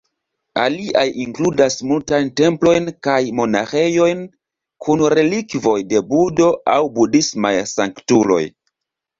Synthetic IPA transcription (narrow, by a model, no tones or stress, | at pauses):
a̰liʔajiŋkludasmultajnte̞mplo̞jnkajmo̞na̰xe̞jo̞jn | kʰunɾe̞likvo̞jde̞budo̞awbudisma̰jsaŋktulo̞̰j